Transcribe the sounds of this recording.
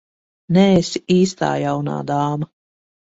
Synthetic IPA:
nɛːsiiːst̪a̰ːjawna̰ːd̪aːma

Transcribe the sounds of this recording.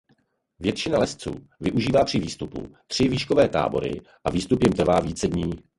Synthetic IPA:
vjɛt̪t͡ʃɪnalɛst͡sṵː | vɪʔuʒiːvaːpr̥ɪviːst̪upṵt̪r̝̥ɪviːʃkovɛːt̪a̰ːbo̞̰ɾɪ̰ | ʔaviːst̪upjɪmt̪r̩vaːviːt͡sɛdɲiː

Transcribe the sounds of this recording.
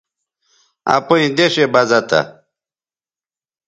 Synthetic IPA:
a̰poĩd̪eɕebɐzɐt̪a̰

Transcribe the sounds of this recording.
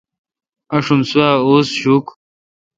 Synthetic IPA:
ɐʂunsuaːoːsɕuːk

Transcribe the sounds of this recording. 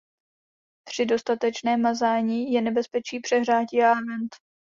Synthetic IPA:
pr̝̥ɪdo̞st̪at̪ɛt͡ʃnɛːmazaːɲiːjɛnɛbɛspɛt͡ʃiːpr̥ɛɦr̝aːciavɛnt̪

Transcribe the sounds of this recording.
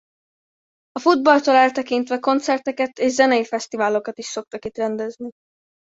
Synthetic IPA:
ɒfud̪̚bɒlt̪oːlɛlt̪ɛkint̪ʋɛko̞nt̪sɛrt̪ɛkɛt̪eːʒzɛnɛjifɛst̪ivaːlo̞kɒt̪iʃso̞k̚t̪ɒkit̪rɛnd̪ɛzni

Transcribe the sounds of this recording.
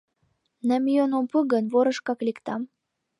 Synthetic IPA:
næmjonompuɣənβoɾə̆ʃkɑklikt̪ɑm

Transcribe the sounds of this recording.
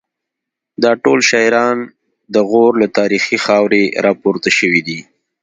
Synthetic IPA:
d̪ɑʈolʃɑɾɑn | d̪əɣoɾlat̪ɑɾixixɑwɾeɾʔɑpoɾt̪aʃəwid̪i

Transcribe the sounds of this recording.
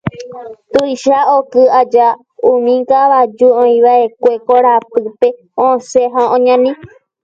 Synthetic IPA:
t̪ujʃaokɨad͡ʒa | ũmĩŋkaʋad͡ʒuõĩʋaʔekʷe̞koɾapɨpe̞ | õseɦãõɲãnĩ

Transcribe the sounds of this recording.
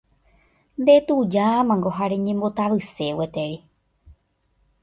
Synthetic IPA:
nd̪et̪ud͡ʒamãŋɡoɦaɾeɲẽmbot̪aʋɨsewet̪eɾi

